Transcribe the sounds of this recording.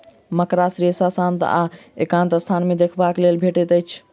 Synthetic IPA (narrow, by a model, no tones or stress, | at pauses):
məkɾasɾesasãnt̪a̰ḛkãnt̪əst̪ʰanmed̪ekʰbaklelbʱeʈɛt̪əjt͡ʃʰ